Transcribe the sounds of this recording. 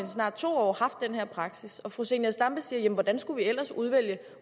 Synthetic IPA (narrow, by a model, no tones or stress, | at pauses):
nsnɑ̰̈ːd̥̚t͡sʰo̝̰ːɒ̰ːhɑ̈fd̥ːenheɐ̰pʰʁɑ̈ɡ̥sisɒ̽fʁo̝senæsd̥ɑ̈mb̥əsiːɐjemnʋɒd̥ænsɡ̥uʋiel̰ɐsuð̞ˠʋel̰jə